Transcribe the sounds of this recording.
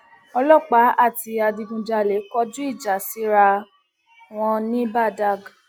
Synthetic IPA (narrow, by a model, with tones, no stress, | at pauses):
ɔ˧lɔ˦˨k͡pa˨˦a˦˨ti˧a˧di˧ɡũ˧˨d͡ʒa˧˨le˨˦kɔ˦d͡ʒũ˦i˦˨d͡ʒa˨si˨˦ɾa˧ | w̃ɔ̃˧nĩ˦ba˦˨da˦˨ɡ